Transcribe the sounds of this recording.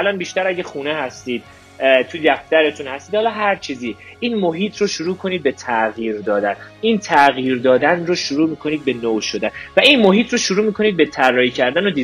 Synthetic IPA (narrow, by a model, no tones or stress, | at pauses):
ælɒnbiːʃt̪æɾæɟexuːnehæst̪iːd̪̥̚ | t̪ʰud̪æft̪æɾet̪ʰunhæst̪iːd̪hɒːlɒːɦæɾt͡ʃʰiːziːiːnmoɦiːt̪ʰroʃuɾuːkʰo̞niːd̪̚be̞t̪ʰæɣjiːɾd̪ɒːd̪ænʔiːnt̪ʰæɣiːɾd̪ɒːd̪ænroʃoɾuːmiːkʰo̞niːd̪̚be̞noʃod̪ænvæʔinmo̞ɦiːt̪ʰroʃuɾuːmiːkʰoniːd̪̚be̞t̪ʰærːɒːicʰæɾd̪ænod̪iː